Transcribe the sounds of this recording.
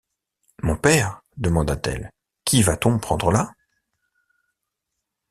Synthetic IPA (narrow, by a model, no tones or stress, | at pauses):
mɔ̃pɛʁd̪əmɑ̃d̪at̪ɛ̰l | kʲivat̪ɔ̃pχɑ̃d̪ʁəla